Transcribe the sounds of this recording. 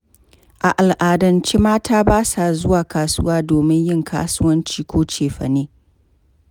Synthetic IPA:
ʔa˨ʔa˨lʔaː˨dɐ˨nt͡ʃi˦maː˦tʰaː˦baː˦sa˨zʊ˦waː˨kaː˨sʊ˦waː˦doː˨mɪ˦ɲjɪ˦˨ŋkʰa̰ː˦sʊ˦wɐ˦nt͡ʃiː˦kʷʰoː˦t͡ʃeː˨ɸɐ̰˨neː˦

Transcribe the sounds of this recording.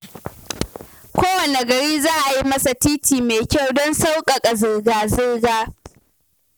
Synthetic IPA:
kʷoː˦wɐ˨ne˨ɡɐ˨ɽiː˦zaː˦ʔa˨ji˦mɐ˦sa˨tiː˦tiː˨meː˨kʲa˦˨wdɔ˦nsa˦wkʼɐ˨kʼa˨zɪ˦rɡaː˨zɪ˦rɡaː˦

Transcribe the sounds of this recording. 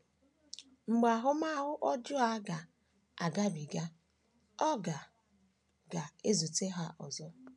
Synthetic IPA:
ŋ͡m̩˨ɡ͡ba˨ɦʊ˦ma˦ɦʊ˦ʔɔ˦d͡ʒʊ˦a˦ɡa˨ | a˨ɡa˦bi˨ɡa˦ | ɔ˦ɡa˨ | ɡa˨e˦zu˨te˦ɦa˦ʔɔ˨zɔ˦

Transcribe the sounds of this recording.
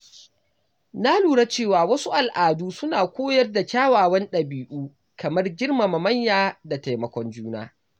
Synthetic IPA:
na˦luː˨ɽa˦t͡ʃeː˦˨waː˨wɐ˦su˦ʔa˨lʔaː˨duː˦sʊ˦naː˨kʷoː˦jɐ˦rda˨kʲaː˦waː˨wɐ˦nɗɐ˨biː˦ʔuː˦ | kɐ˨mɐ˦rɡʲɪ˦rma˨mɐ˨mɐ˦ɲjaː˦da˨ta˨jmɐ˨kʷɔ˦nd͡ʒuː˦na̰ː˦

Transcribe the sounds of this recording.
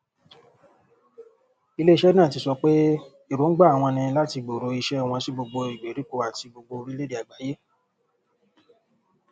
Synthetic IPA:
i˧le˦i˦ʃɛ˦nãː˦˨ti˧sɔ˧k͡pe˦ | i˦˨ɾo˨˦ɡ͡ba˦˨w̃ɔ̃˧nĩ˧la˦ti˧ɡ͡bo˨ɾo˨˧˦i˧ʃɛ˦˨w̃ɔ̃˧si˦ɡ͡bo˧ɡ͡bo˧i˨ɡ͡be˨ɾi˨˦ko˧a˨ti˧ɡ͡bo˧ɡ͡bo˧ɾi˦le˦di˨a˨ɡ͡ba˨˦je˦

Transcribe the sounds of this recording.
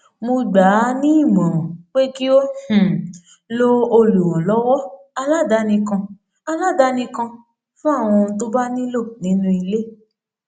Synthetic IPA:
mo˧ɡ͡ba˨˦nĩ˦i˦˨mɔ̃˨ɔ̃˨k͡pe˦ki˦o˦h̩˨ | lo˦o˧lu˨wɔ̃˨lɔ˦wɔ˦ | a˧la˦˨da˨˦nĩ˧kã˧ | a˧la˦˨da˦nĩ˧kã˧ | fũ˦a˦˨w̃ɔ̃˧n̩˧to˦ba˦nĩ˦lo˦˨nĩ˨˦nũ˦i˧le˦

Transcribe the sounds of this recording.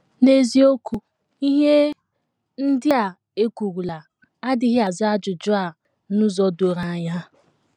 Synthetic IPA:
ne˦zi˦o˦ku˦ | i˦ɦe˦ | n̩˦dɪ˦a˨ | e˦kʷu˨ɾu˨la˨ | a˦dɪ˦ɦɪ˦a˨za˦d͡ʒʊ˨d͡ʒʊ˦a˨ | nʊ˦zɔ˦do˨ɾa˨a˨ɲa˦

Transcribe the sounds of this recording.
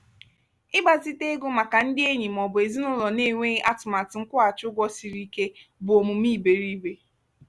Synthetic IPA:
ɪ˦ɡ͡ba˨zi˦te˦ɡo˦ma˨ka˨n̩˦dɪ˦e˦ɲi˨m̩˨ɔ˨bʊ˨e˨zi˦nʊ˦lɔ˨ne˦˨ŋʷe˦ʔa˦tʊ˨ma˨tɪ˨ŋ̩˦kʷʊ˦a˨t͡ʃʊ˦ɡʷɔ˦si˨ɾi˦ke˦bʊ˨o˨mu˨m˦i˦˨be˨ɾi˦be˦

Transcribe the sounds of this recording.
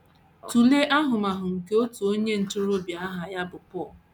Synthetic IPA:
tu˨le˦ʔa˦ɦʊ˨ma˨ɦʊ˨ŋ̩˨ke˦o˦tu˨o˦ɲe˦n̩˨tʊ˦ɾo˦bja˦ɦa˨ja˦bʊ˨pɔ˦˨l

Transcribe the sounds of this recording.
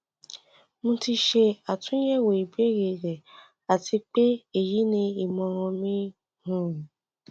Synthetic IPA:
mũ˧ti˧ʃe˧a˨tũ˦i˦jɛ˦˨we˨i˨be˦ɾe˨ɾe˨ | a˨ti˧k͡pe˦e˦˨ji˦nĩ˧i˨mɔ̃˧ɾɔ̃˧mĩ˦ | hũ˦˨

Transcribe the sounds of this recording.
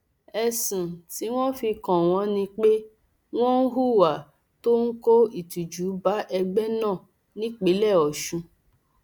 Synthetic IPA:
ɛ˧sĩ˨ti˨˦w̃ɔ̃˦fi˧kɔ̃˨w̃ɔ̃˧˦nĩ˧k͡pe˦ | w̃ɔ̃˦n̩˦ɦu˦wa˨ | to˦n̩˦ko˦i˨tu˨d͡ʒu˨˦ba˨˦ʔɛ˧ɡ͡bɛ˦nãː˦˨ | nĩ˦k͡pe˨˦lɛ˦˨ɔ˨ʃũ˧

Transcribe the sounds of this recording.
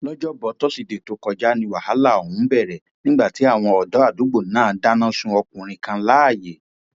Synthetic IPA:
lɔ˦d͡ʒɔ˦bɔ˨˧˦tɔ˦si˨de˨to˨˦kɔ˧d͡ʒa˦nĩ˧wa˨ha˨˦la˦˨o˨hũ˨˦bɛ˦˨ɾɛ˨ | nĩ˦ɡ͡ba˦˨ti˨˦a˦˨w̃ɔ̃˧ɔ˨dɔ˨˦a˦˨du˨˦ɡ͡bo˦˨n˦ãː˦˨˦da˦nã˦sũ˧ɔ˧kũ˨ɾ̃ĩ˧kã˧˦la˦a˦˨je˨

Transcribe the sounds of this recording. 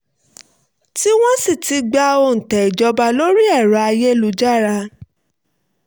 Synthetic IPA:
ti˦w̃ɔ̃˦si˦˨ti˨˦ɡ͡ba˧o˧˨n̩˨tɛ˨i˨d͡ʒɔ˧ba˧lo˦ɾi˦ɛ˦˨ɾɔ˨˧a˧je˦lu˧˦d͡ʒa˦˨ɾa˧

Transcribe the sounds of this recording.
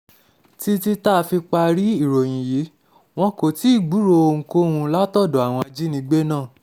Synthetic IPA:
ti˧ti˧ta˦˧fi˧k͡pa˧ɾi˦i˦˨ɾo˨j̃ĩ˨ji˨˦ | w̃ɔ̃˧ko˨ti˨˦i˦˨ɡ͡bu˨˦ɾo˧o˧ŋ̩̃˧ko˦hũ˧la˦tɔ˦˨do˨a˨w̃ɔ̃˧a˧d͡ʒi˦nĩ˧˦ɡ͡be˦nãː˦˨

